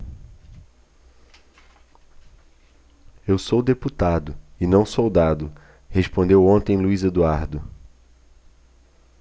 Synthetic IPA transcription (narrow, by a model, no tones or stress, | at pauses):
ewsowd̪eput̪ad̪ʊɪnɐ̃w̃sowd̪ad̪ʊ | hespõnd̪ewõnt̪ẽj̃luized̪uaɾd̪ʊ